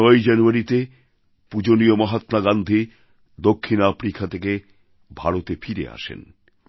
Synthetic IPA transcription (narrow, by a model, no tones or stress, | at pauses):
ɔjd͡ʑanuaɾit̪e | pud͡ʑoniomɔɦat̪naɡand̪ʱi | d̪okʰːinapɾikʰat̪ʰeke | bʱaɾot̪efʰiɾḛa̰ʃḛn